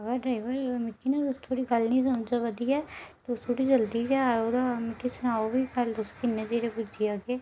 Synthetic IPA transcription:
əɡəɾɖɾaɪʋəɾmɪkːinãd̪ʊst̪ʰoːɽiːɡəlnĩːs̬əmd͡ʒaʋəd̪iːɛːt̪eʊst̪ʰoːɽid͡ʒəld̪ikɛaod̪amɪkːisʊnaːobikəld̪ʊskɪnːẽd͡ʒeːɾepʊd͡ʒijaːɡeː

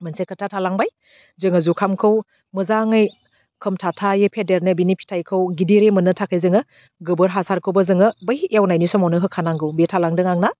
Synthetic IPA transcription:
mɯnsejkʰətʰatʰalaŋbaj | zɯŋɐzukʰamkʰɯw | mɯzaŋɯj | kʰɯmtʰatʰajepʰedeɾnɯbinipʰi̥tʰajkʰɯwɡidiɾemɯnɯtʰakʰɯjzɯŋɯ | ɡɯbɯɾɦasaɾkʰɯwbɐzɯŋɯbɐjʔjawnajnisɔmawnɯɦɯkʰːanaŋɡɯwbetʰalaŋdɯŋaŋna

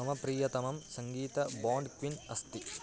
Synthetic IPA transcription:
ɐmɐpɾiːjɐt̪ɐmɐmsɐŋɡiːt̪ɐbaːɳɖkʋinɐst̪i

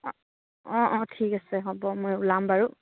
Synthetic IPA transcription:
ɔ̃ʔɔ̃tʰikasɛɦɔbɔmojulambaɹu

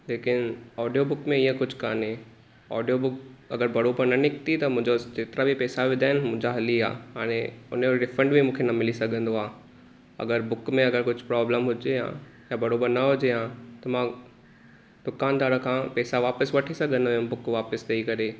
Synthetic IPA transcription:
leːkɪnɔːɖijobʊkmẽiːə̃kʊd͡ʑʱka̰ːne | ɔ̰ːɖijobʊkɐɡəɾbɐɾoːbəɾnɐnɪkt̪it̪ɐmʊ̃ɦɪ̃ɲd͡ʑod͡ʑeːt̪ɪɾabʱipɛːsaʋɪd̪aːɦɪnɪmʊ̃ɪ̃ɲd͡ʑaɦɐlia̰ːɦaːɽ̃ẽʊ̰njoɖɪfɾə̃ɳɖbʱimũːkʰenɐmɪlisɐɡʱə̃nd̪oaː | ɐ̰ɡəɾbʊkmẽɐɡəɾkʊd͡ʑʱʊpɾɔːbləmɦʊd͡ʑejã̰ː | jabɐɾoːbəɾnɐɦʊd͡ʑejãːt̪ɐmã | d̪ʊkaːnd̪aːɾəkʰãːpɛːsaʋaːpəsʋɐʈʰisɐɡʱə̃nd̪ojʊ̃bʊkʋaːpəst̪ʰiikɐɾe

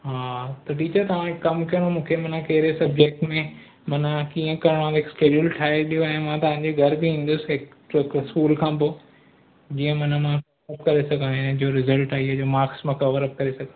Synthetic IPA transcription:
ɦaːt̪ɐʈiːt͡ɕəɾt̪ɐʋ̤ãɪkɐmkijənomũːkʰemɐ̃nãkɐɦɪɾesɐb̚d͡ʑeːk̚ʈmẽ | mɐnkiːə̃kɐɾɪɽ̃ãɦɪkskeːd͡ʑulʈʰaːeɗijoɛ̃ːmãt̪ɐʋ̤ãɲd͡ʑeɡʱɐɾbɪĩːn̆d̪ʊsɪɦɪk | ɪkskuːlkʰãːpoː | d͡ʑiːə̃mɐnmãkɐəp̚kɐɾesɐɡʱə̃nnd͡ʑoːɾɪzəlʈaːɦiɦed͡ʑoːmaːksmãkɐʋəɾəp̚kɐɾesɐɡʱə̃

